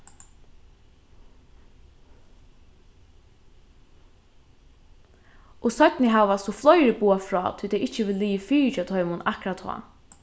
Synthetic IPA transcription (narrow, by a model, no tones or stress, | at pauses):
ʔʊsœt̪nɪɦaʋasɔflɔjɾɪpuːafɾɔ̰ːt̪ʰʏlt̪ʰɛjɪht͡ʃːəʋɪlliːfiːt͡ʃat̪ʰɔʏmʊnakɾat̪hʰɔ̰ː